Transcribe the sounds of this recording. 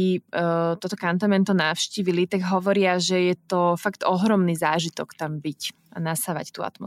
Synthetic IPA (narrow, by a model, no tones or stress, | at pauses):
it̪ɔt̪ɔkant̪amɛnt̪ɔnawʃciːʋilit̪aɡɦɔʋɔɾɪaʒɛjɛt̪ɔfaɡt̪ɔɦɾɔmniːzaːʒit̪ɔkt̪ambic | anasaʋa̰ct̪ua̰t̪mɔ